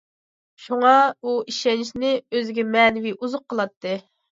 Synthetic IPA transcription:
ʃuŋɑuiʃɛnɪʃnɪøzɪɡʲɛmɛːnɪviuzʊqʰːəlˠɑt̪ʰːɨ

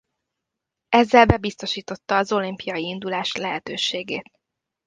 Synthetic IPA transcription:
ɛzːɛlbɛbist̪o̞ʃiːt̪o̞t̪ːɒːzo̞limpijɒjiind̪ulaːʃlɛɦɛt̪øːʃeːɡeːt̪

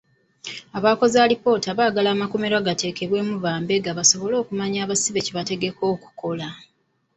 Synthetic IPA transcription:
aβaːko̞zalipo̞ːtaβaːɡalaːmako̞me̞ɾwaɡate̞ːke̞βwe̞ːmuβaːmbe̞ɡaβaso̞βo̞lo̞ːkumaɲaːβasiβe̞ciβate̞ɡe̞ko̞ːku̥ko̞la

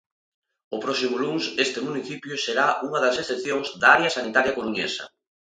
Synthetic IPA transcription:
ʊpɾɔsimʊluŋsest̪ɪmuniθipjʊseɾauŋɐðɐsesθeθjoŋzd̪aaɾjɐsanit̪aɾjɐkoɾuɲḛsɐ̰

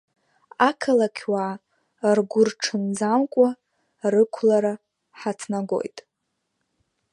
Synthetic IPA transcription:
akʰalakʲʰwaː | rɡʷʊrʈ͡ʂʰɨnd͡zamkʷʼa | rɨkʷʰlaɾa | ħat͡sʰnaɡo̞̰jtʼ

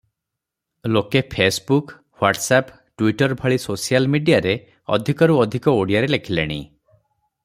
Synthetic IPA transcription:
lokepʰesbuk | waʈsap | ʈwiʈɔɾbʱɔɭisosijalmiɖijaɾe | ɔ̰d̪ʱikɔɾuɔd̪ʱikɔoɽijaɾelekʰilḛɽ̃ḭ

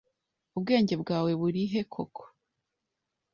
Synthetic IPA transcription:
ubɡe̞ːɲɟe̞bɡaːwe̞βuɾiɦe̞kʰokʰo̥

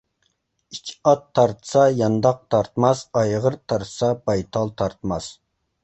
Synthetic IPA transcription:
it͡ʃʰɑt̪ʰːɑɾt̪ʰə̥sɑjɑnd̪ɑq̚t̪ʰɑɾt̪mɑsɑjʁəɾt̪ʰɑɾt̪ʰə̥sɑbɑjt̪ʰɑlˠt̪ʰɑɾt̪ʰmɑs

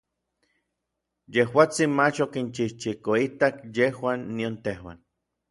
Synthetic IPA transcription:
jehwaːt͡sinmat͡ʃokint͡ʃiht͡ʃikoit̪akjehwanːiont̪ehwa̰n

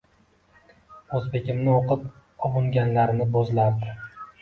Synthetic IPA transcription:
ɵzbe̞ɡʲɪmnɪoqʰɨp | ɒbʊŋɡʲanlaɾnɪbozlaɾd̪ɪ

